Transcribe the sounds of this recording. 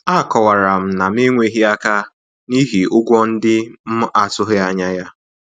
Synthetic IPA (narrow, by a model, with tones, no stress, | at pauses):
a˦˨kɔ˨wa˨ɾa˨m̩˨na˨m̩˦i˦ŋʷe˦ɦi˦a˦ka˦ | ni˦ɦi˨ʊ˦ɡʷɔ˦n̩˦dɪ˦m̩˦a˨tʊ˦ɦɪ˦a˦ɲa˦ja˦